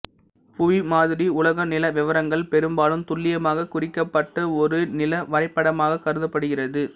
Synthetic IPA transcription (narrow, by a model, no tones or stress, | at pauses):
fʊʋimaːðɪɾiʊlɐɣɐnɪlɐʋɪʋɐɾɐŋɡɐɭpɛɾɯmbaːlɯmt̪ʊɭːɪjɐmaːɣɐkʊrɪkːɐpːɐʈːɐɔɾɯnɪlɐʋɐɾɐɪpːɐɽɐmaːɣɐkɐɾɯðɐpːɐɽɯɣɪrɐðɯ